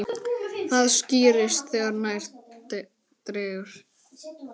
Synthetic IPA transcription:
θaðsciːɾɪst̪θɛːɣaɾnajɾ̥t̪ | t̪ɾɛːɣʏɾ̥

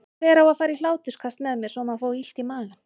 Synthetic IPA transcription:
ɛːɾawaðfaːɾilaːwt̪ʏskʰast̪mɛðmjɛɾsɔmaðfoːwil̥t̪imaːɣa

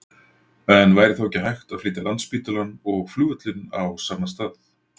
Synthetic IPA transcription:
ɛnvaːjɾɪθawɛcːɪɦajxt̪aðfliːt̪alant̪spiːt̪ʏlanɔɣfluːœt̪lɪna̰wsaːmast̪aːθ

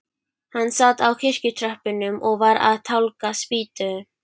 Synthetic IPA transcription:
hanːsaːt̪awkʰɪr̥cʏt̪ʰɾœhpɪnʏmʔɔɣvaɾa̰ðt̪ʰawlkaspiːt̪ʏ

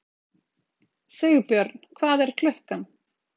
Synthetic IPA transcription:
seːɣpjœɾt̪n̥kʰvaːðɛɾ̥kʰlʏhkan

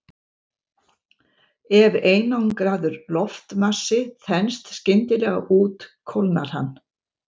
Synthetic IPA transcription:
ɛveːjnawnkɾaːðʏɾlɔft̪masɪθɛnst̪scɪnt̪ɪlɛɣa̰ʔuːt̪kʰɔwlna̰ɾ̥ha̰nː

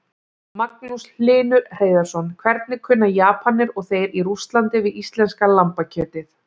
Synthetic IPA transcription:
maknusl̥ɪːnʏreːjðaɾ̥sɔnkʰvɛɾt̪̚nɪkʰʏnːajaːpanɪɾɔɣθejɾiɾust̪lant̪ɪvɪðist̪lɛnskalampacʰœːt̪ɪθ

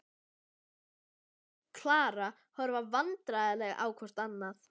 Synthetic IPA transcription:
kʰlaːɾa | hœɾvavant̪ɾajðalɛɣa̰ːwkʰvɔr̥t̪anːaθ

